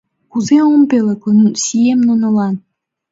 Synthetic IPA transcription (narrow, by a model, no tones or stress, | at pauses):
kuzeompelĕknusiemnonɤ̆lɑn